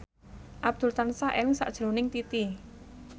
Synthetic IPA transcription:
ʔab̚d̪̥ʊ̤lt̪ansaʔelɪŋsa̰ʔd̥ʒ̥ɾo̤nɪŋt̪it̪i

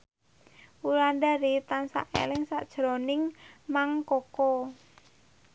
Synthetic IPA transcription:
ulandaɾit̪ansa̰ʔḛlɪŋsaʔd̥ʒ̥ɾɔnɪŋmaŋkɔkɔ

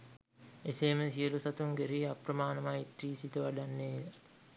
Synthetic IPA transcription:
eseːməsiəlusat̪uŋɡeɾiːaprəmaːnəmait̪riːsit̪əʋaɖanːeːila

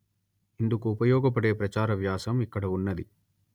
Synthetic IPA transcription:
ind̪ukuːpɐjɔːɡɐpɐɽeːpɾɐt͡ʃaːɾɐʋjaːsɐmikːɐɽɐunːɐd̪i

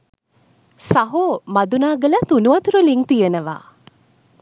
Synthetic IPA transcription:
saɦoːmad̪unaːɡəlat̪unuʋɐt̪uɾuliŋt̪ijənəʋa̰ː

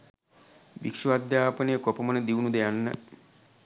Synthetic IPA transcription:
bḭkʂuad̪jaːpənəjəkopəmənəd̪iunud̪ejanːə̰

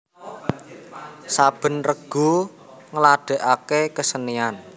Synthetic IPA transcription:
sab̥ə̤nrəɡ̥ṳ | ŋəlaɖ̥ə̤ʔakekəsənian

